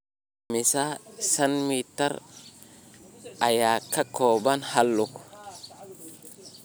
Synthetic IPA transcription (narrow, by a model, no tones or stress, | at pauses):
misasanmita̰ɾ | ʔajakːakobanhalːuk